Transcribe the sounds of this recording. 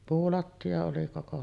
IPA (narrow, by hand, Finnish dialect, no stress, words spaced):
puːlɑtːiɑ oli koko